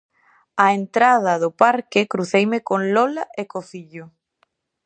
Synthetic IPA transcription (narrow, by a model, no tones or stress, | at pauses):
aent̪ɾað̞ɐðʊpaɾkɪkɾuθejmɪkonlɔlaʔekoθiʎʊ